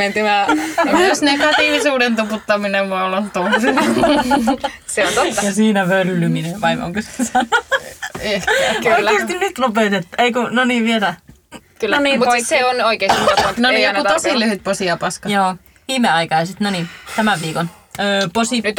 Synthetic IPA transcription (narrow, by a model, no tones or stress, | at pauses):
ment̪ymæmusnekɑt̪iʋisuːdent̪uput̪ːɑminemuɑolont̪usi | seont̪oːɑjɑsiːnæʋølːymineʋɑimo̰ŋkosesɑnu | oieˑːst̪innyt̪lupet̪et̪ːueikunoniːʋielæ | kylːnoniːuseonoikeˑːst̪ːnonijout̪t̪osilyhyt̪̚posiɑpɑskɑjoː | ʋiːmeɑikɑjsit̪nonit̪æmæʋʋiːkon | øːposinyt̪